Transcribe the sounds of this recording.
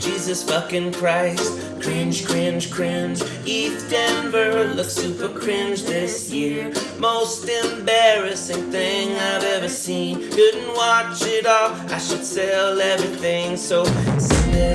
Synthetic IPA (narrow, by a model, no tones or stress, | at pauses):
d̥ʒ̥izɨsfʌkɨ̃nkʰɹ̥aɪst̚ | kʰɹ̥ɪ̃nd͡ʒ̥kʰɹ̥ɪ̃nd͡ʒ̥kʰɹ̥ɪ̃nd͡ʒ | ifdɛ̃nvə˞ðəsʉpə˞kʰɹ̥ɪ̃nd͡ʒðɪsjɪɹ | moʊstɪ̃mbɛɹɨsɪ̃ŋθɪ̃ŋaɪvɛvə˞sĩnkʊdⁿn̩ʔwɑt͡ʃɪɾɔʔaɪʃɨd̥sɛlˠɛvɹiθɪ̃ŋsoʊs